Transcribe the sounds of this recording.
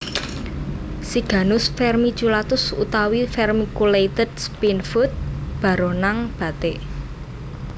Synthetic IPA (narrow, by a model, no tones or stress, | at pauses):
siɡ̥ä̤nʊsfɛrmi̥d͡ʒulat̪ʊsṵt̪awifɛrmikulejt̪əd̥spinfʊt̪̚b̥ä̤ɾonaŋb̥ä̤t̪eʔ